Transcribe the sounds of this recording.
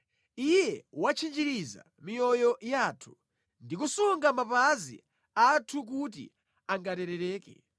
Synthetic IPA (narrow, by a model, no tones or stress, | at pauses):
ijɛwat͡ʃʰind͡ʒiɾiza̰ | mijɔjɔjaːtʰu̥ | ndik̬usuŋɡamapazḭ | atʰuk̬ut̬ḭ | aŋɡatɛɾɛɾɛːkɛ̰